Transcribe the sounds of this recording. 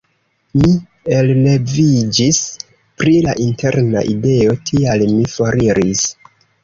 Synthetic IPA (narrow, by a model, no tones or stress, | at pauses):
mi | elːe̞vid͡ʒis | pɾilaʔinte̞ɾna̰ʔide̞o̞tʰialmifoɾiɾis